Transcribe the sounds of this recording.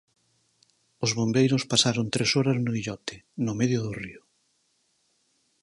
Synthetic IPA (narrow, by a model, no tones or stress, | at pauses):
ʊzβombejɾʊspasaɾont̪ɾesɔɾɐznʊβiʎɔt̪ɪ̥nʊmeðjʊðʊriʊ